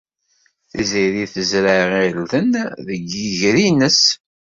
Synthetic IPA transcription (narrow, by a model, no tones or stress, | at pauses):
θiziðiθəzɾaʁilθənðəɡiʝɾinəs